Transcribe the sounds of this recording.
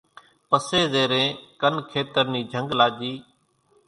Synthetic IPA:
pəseːzeːɾẽːkənkʰeːt̪əɾniːd͡ʒʱəŋɡlaːd͡ʒiː

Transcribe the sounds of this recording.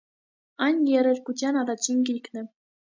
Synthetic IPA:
ɑnʲjeɾʲɘ̆lʲkud͡ʑɑnɑd̪ɑt͡ɕʰːinʲkʲilʲknʲɘ̆

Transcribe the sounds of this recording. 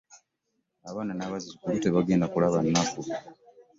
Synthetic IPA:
aβaːnanaβazizukulute̞βaɡe̞ːndakulaβanːaku

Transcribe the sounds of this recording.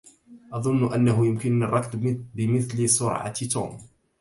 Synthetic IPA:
ʔɑðˤʊnːʊʔanːaɦʊjʊmkɪnːɑrˤːɑkd̪bɪmɪθlsʊɾʕa̰t̪ṵːm

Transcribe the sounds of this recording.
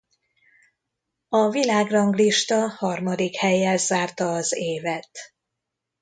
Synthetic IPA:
ɒvilaːɡrɒŋɡliʃt̪ɒhɒrmɒd̪ikhɛjːɛlzaːrt̪ɒːzeːvɛt̪

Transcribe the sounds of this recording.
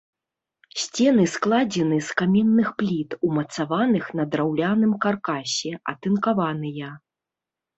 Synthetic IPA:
sʲt͡sʲɛnɨsklˠad͡zʲɛnɨskamʲɛnːɨxplʲit̪umɐt̪savanɨxnɐd̪ɾawlʲanɨmkarkasʲɛɐ̰t̪ɨnkavanɨjɐ

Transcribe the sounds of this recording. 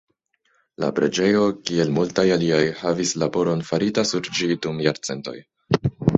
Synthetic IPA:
la̰pɾe̞̰d͡ʒe̞jo̞kie̞lmultajaliajhavislabo̞ɾo̞nfaɾitasuɾd͡ʒidumjaɾt͡se̞nto̰j

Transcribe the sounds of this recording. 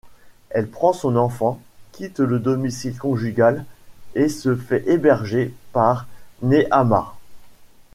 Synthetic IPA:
ɛlpχɑ̃sɔ̃nɑ̃fɑ̃kʲʰit̪ləd̪ɔmisilkɔ̃ʒyɡʲalesəfɛʔebɛʁʒepaʁneʔama̰

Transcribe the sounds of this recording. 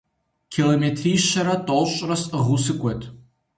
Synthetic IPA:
kʲʰilometʰriːʃɐɾɐtʼolɕʼrɐsʁusɨkʷʼɔtʰʼ

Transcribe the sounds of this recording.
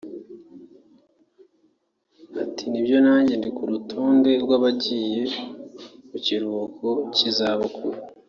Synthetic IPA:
atinibɟo̞naːɲɟendikuɾutʰoːnde̞ɾɡwaβaɟije | muciɾuukʰocizaβokʰuɾi

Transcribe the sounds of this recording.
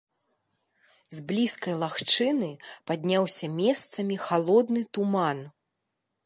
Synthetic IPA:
zʲblʲiskɐjlˠaxt͡ʂɨnɨpad̪ʲnʲawsʲɐmʲɛst̪sɐmʲixalˠɔd̪nɨt̪uman

